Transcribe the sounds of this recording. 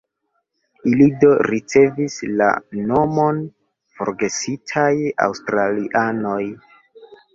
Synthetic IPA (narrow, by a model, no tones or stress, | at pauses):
ilido̞ɾit͡se̞visla̰no̞mo̞n | fo̞̰ɾɡe̞sitʰaja̰wstɾaliʔano̞j